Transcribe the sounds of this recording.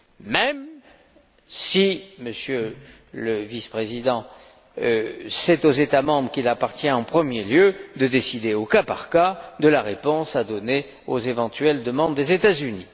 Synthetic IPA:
mɛm | siməsjø | ləvispχezid̪ɑ̃ | sɛt̪ozet̪amɑ̃bʁəkʲilapaʁt̪jɛ̃ɑ̃pχəmjeljød̪əd̪esid̪eokapaʁkad̪əlaʁepɔ̃sad̪ɔne | ozevɑ̃t̪ɥɛld̪əmɑ̃d̪ːezet̪azyni

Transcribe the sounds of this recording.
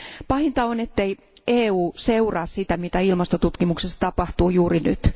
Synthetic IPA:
pɑhint̪ɑonet̪ːej | eːuːseurɑːssit̪æmit̪æilmɑst̪ot̪ut̪kimuksesːɑt̪ɑpɑht̪uːjuːriny̰t̪

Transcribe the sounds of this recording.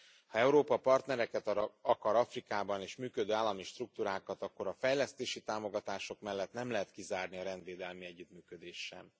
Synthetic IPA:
hɒɛuɾoːpɒpɒrt̪nɛɾɛkɛt̪ɒɾɒɒkɒɾɒfrikaːbɒneːʃmyːkød̪øːaːlːɒmiʃt̪ruk̚t̪uːɾaːkɒt̪ɒkːo̞ɾɒfɛjlɛst̪eːʃit̪aːmo̞ɡɒt̪aːʃo̞kmɛlːɛt̪nɛmlɛɦɛt̪kizaːrniɒɾɛnd̪vʋeːd̪ɛlmiɛɟːyt̪myːkød̪eːʃːɛ̰m

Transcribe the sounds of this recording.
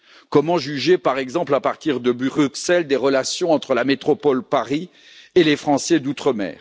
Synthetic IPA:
kɔmɑ̃ʒyʒepaʁɛɡzɑ̃plapaʁt̪iʁd̪əbʁyksɛld̪eʁəlasjɔ̃ɑ̃t̪χəlamet̪χɔpɔlpaʁi | elefχɑ̃sɛd̪ut̪χəmɛ̰ːʁ

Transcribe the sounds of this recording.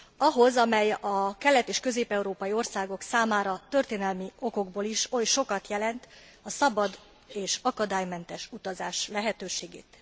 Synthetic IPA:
ɒɦo̞zɒmɛjɒkɛlːɛt̪eːʃkø̞zeːpɛuɾoːpɒjio̞rsaːɡo̞ksaːmaːɾɒt̪ø̞rt̪eːnɛlmio̞ko̞ɡboliʃo̞jʃo̞kɒt̪jɛlɛnt̪ | ɒsɒbɒd̪ | eːʃɒkɒd̪aːjmɛnt̪ɛʃut̪ɒzaːʃlɛɦɛt̪øːʃeːɡḛːt̪

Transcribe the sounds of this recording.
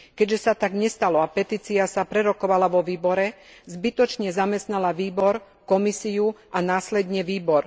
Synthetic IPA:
kɛɟʒɛsat̪aɡɲɛst̪alɔapɛt̪iːt͡siasapɾɛɾɔkɔʋalaʋɔʋiːbɔɾɛzbit̪ɔt͡ʃɲɛzamɛst̪nalaʋiːbɔɾ | kɔmisiuanaːslɛd̪ɲɛʋiːbɔɾ

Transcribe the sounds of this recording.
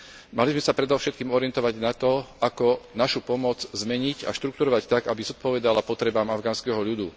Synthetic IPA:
malizmɛsapɾɛd̪ɔʊʃɛt̪̚kiːmɔɾiɪɛnt̪ɔʋaɟnat̪ɔakɔnaʃupɔmɔd͡zzmɛɲiɟa̰ʃt̪ɾukt̪uɾɔʋact̪aɡabizɔt̪̚pɔʋɛd̪alapɔt̪ɾɛbaːmavɡaːnskɛɦɔʎud̪u

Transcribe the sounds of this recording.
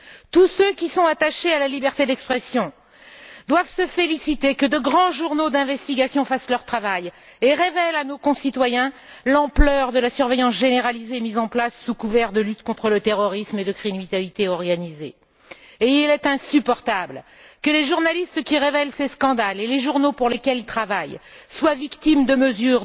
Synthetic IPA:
t̪usøkʲisɔ̃at̪aʃealalibɛʁt̪ed̪ɛkspχɛsjɔ̃ | d̪wavsəfelisit̪ekəd̪əɡʁɑ̃ʒuʁnod̪ɛ̃vɛst̪iɡʲasjɔ̃faslœʁt̪χavaj | eʁevɛlanokɔ̃sit̪wajɛ̃ | lɑ̃plœʁd̪əlasyʁvejɑ̃sʒeneʁalizeːmizɑ̃plasːukuvɛʁd̪əlyt̪kɔ̃t̪χələt̪eʁɔʁismed̪əkχinit̪alit̪eɔʁɡanizeː | ilɛt̪ɛ̃sypɔʁt̪ablkəleʒuʁnalist̪kʲiʁevɛlseskɑ̃d̪aleleʒuʁnopuʁlekʲɛlilt̪χavajswavikt̪imd̪əməzyʁ

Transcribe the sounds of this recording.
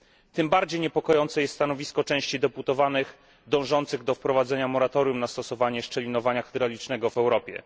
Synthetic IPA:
t̪ɘmbaɾd͡ʑejɲɛpɔkɔjɔnt̪sɛjɛst̪st̪anɔvʲiskɔt͡ʂɛ̃w̃ɕt͡ɕid̪ɛput̪ɔvanɘx | d̪ɔ̃w̃ʐɔnt̪sɘɣd̪ɔfpɾɔvad̪zɛɲamɔɾat̪ɔɾʲjumnast̪ɔsɔvaɲɛʂt͡ʂɛlʲinɔvaɲaxɛd̪ɾalʲit͡ʂnɛɡɔvɛwɾɔpʲjɛ̰

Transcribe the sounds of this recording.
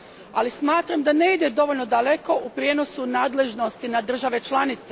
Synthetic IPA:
alismaːt̪ɾamd̪ane̞id̪e̞d̪o̞ʋo̞lʲno̞d̪ale̞ko̞ʔupɾjeːno̞sunaːd̪le̞ʒno̞st̪inad̪r̩ʒaʋe̞t͡ʃlˠanit̪se

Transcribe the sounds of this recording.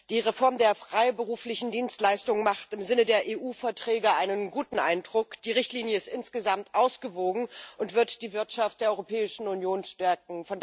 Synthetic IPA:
d̥iːʁefɔɐmdeːɐfʁ̥aɪbəʁuːflɪçn̩diːnstlaɪstʊŋəmaχtɪmzɪnədeːɐʔeːʔuːfɛɐtʁ̥ɛːɡəʔaɪnənɡuːtn̩ʔa̰ɪndʁʊkd̥iːʁɪçtliːnjəɪstʔɪnsɡ̥əzamtʔaʊsɡ̥əvoːɡŋ̩ʔʊntv̥ɪɐtd̥iːvɪɐtʃaft̚d̥eːɐɔʁopʰɛːɪʃn̩ʊnjoːnʃtɛɐk̚ŋ̩fɔnd

